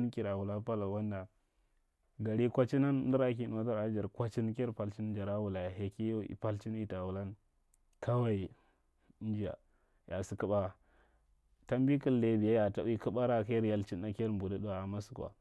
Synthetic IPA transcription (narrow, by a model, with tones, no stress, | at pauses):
n˦ki˨ɾa˨wu˨la˦pa˦la˨wa˦nda˨ | ɡa˨ɾi˦kʷa˦t͡ʃi˦na˦n˦di˦ɾa˦ki˦n˨a˦ta˦ɾa˦d͡ʒa˨ɾkʷa˦t͡ʃi˦n˦ke˦ɾpa˨lt͡ʃi˦nd͡ʒa˨ɾa˦wu˨la˨ja˨ɦe˨ki˦jḭ˨pa˦lt͡ʃi˦n˦i˨ta˨wu˨la˦n˦ | kʰa˦wa˦i˨˦ | n˦d͡ʒi˦ja̰˨ | ja˨si˨ki˦ɓa˦˨ | ta˦m˦bi˦kiː˦e˦˨bi˨ja˦ja˨ta˨˦i˦ki˦ɓa˦ɾa˦ka˦jɾja˦lt͡ʃi˦n˦a˦ke˦ɾmbu˨da˦da˦˨a˨ma˦su˨kʷa̰˨